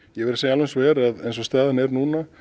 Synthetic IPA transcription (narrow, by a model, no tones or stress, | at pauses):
jɛɣvɛɾɪsɛːjalvejnsɔvɛːɾaðejnsɔst̪aːðanɛɾnuːna